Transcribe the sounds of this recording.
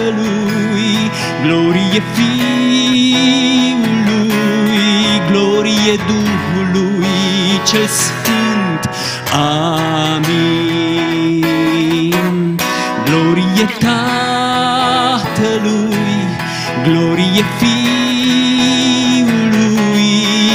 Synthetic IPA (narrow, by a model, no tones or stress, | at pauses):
lu | j | ɡloɾijefi | ulujɡloɾijed̪uhulujt͡ʃelsfɨnt̪ | a | mi | n | ɡloɾijet̪a | t̪əlu | i | ɡloɾijefi | lui